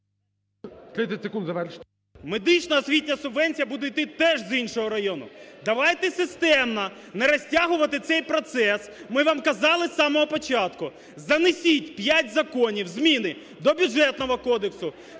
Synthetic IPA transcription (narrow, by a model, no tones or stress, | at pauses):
t̪ɾɪt̪ʲɐtʲsekund̪zɐʋɛɾʃ | med̪ɪt͡ʃnɐːsʲʋʲitʲnʲɐsʊbʋɛnʲt͡sʲijɐbud̪ejt̪ɪt̪ɛʒzinʃɔɦɔɾɐjɔnʊ̰d̪ɐʋɑjt̪ɛsɪst̪ɛmnɐ | neɾɐsʲtʲaɦʊʋɐt̪ɪt̪sɛjpɾɔt̪sɛsmɪʋamkɐzɑlˠɪsːɑmɔɦɔpɔt͡ʃɑt̪kʊ | zɐnɪsʲitʲpʲjatʲzɐkɔnʲiwzmʲinɪ | d̪ɔbʲʊʐɛt̪nɔɦɔkɔd̪eksʊ